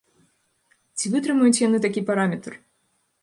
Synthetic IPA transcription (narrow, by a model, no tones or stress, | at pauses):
t͡sʲivɨt̪ɾɨmujut͡sʲjanɨt̪akʲipaɾamʲɛt̪r